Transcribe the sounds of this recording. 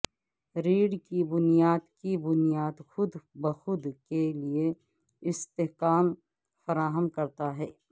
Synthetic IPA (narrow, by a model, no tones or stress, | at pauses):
ɾiːɽkibʊnijaːd̪kibʊnijaːd̪xʊd̪bəxʊd̪kelie | ɪst̪eɦkaːm | fɐɾaːɦəmkɐɾt̪aɦɛː